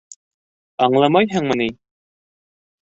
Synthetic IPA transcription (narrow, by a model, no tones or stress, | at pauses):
ɑɴlˠɑmɑjɦɤɴmɤ̆ni